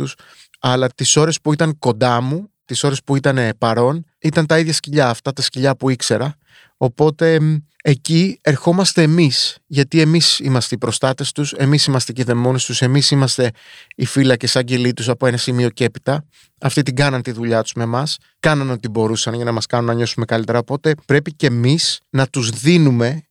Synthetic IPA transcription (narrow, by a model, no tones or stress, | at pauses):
us | ɐlɐt̪iso̞ɾe̞spuit̪ɐŋko̞nd̪ɐmut̪iso̞ɾe̞spuit̪ɐne̞pɐɾo̞n | it̪ɐnt̪ɐiðʝɐsciʎɐːft̪ɐt̪ɐsciʎɐpuikse̞ɾɐ | o̞po̞t̪e̞ːcie̞ɾxo̞mɐst̪e̞ːmisʝɐt̪ie̞misimɐst̪eipɾo̞st̪ɐt̪e̞st̪use̞misimɐst̪eceðe̞mo̞nest̪use̞misimɐst̪e̞ifilɐcesɐɲɟe̞lit̪usɐpo̞e̞nɐsimio̞ce̞pit̪ɐ | ɐft̪it̪iɡɐnɐnt̪iðuʎɐt̪u̥zme̞mɐs | kɐnɐno̞t̪ibo̞ɾusɐnʝɐnɐmɐskɐnunːɐɲo̞sume̞kɐlit̪e̞ɾɐopo̞t̪e̞pɾe̞pice̞misnɐt̪uzðinume̞